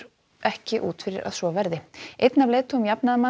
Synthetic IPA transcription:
ʔɛhcɪʔṵːt̪fɪɾɪ̰ɾʔa̰ðsvɔvɛɾðɪʔejt̪navleːt̪ʏmjapnaðma

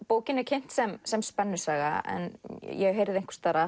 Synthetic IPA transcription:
poːwcɪnɛɾkcʰen̥t̪sɛmsɛmspɛnːʏ̥saːɣa̰ɛ̰njɛɦeːjɾɪðejŋ̥kʰvḁst̪aɾa

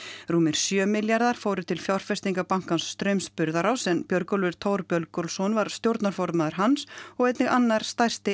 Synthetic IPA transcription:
ruːmɪɾ̥sjœːmɪljaɾðaɾ̥foːwɾʏt̪ʰɪlfjawr̥fɛst̪iŋkapaŋ̥kansːt̪ɾœɥmspʏɾðaɾawsɛnpjœɾkɔlvʏɾ̥t̪ʰoːwɾpjœɾlkɔɾlsɔnvaɾ̥st̪jowɾt̪naɾ̥fɔɾt̪maːðʏɾ̥ɦansɔɣɛjt̪nɪɣanːaɾ̥st̪ajr̥st̪ɪ

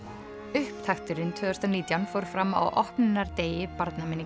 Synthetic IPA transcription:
ʏhpt̪ʰaxt̪ʏɾɪnt̪ʰvœːðʏst̪aniːt̪jawnfowɾ̥fɾamːa̰wʔɔhpnɪnaɾt̪eːjɪpaɾt̪namɪni

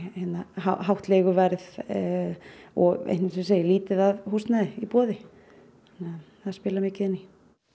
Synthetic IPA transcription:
hɛnːahaɦawht̪leːɣʏvɛɾð | ɔ̰ɣḛjnɪnsɛseːjɪliːt̪ɪðaðhuːst̪naðɪipɔːðɪ | anɛ | θaðspɪːlamɪːcɪɛnːɪ

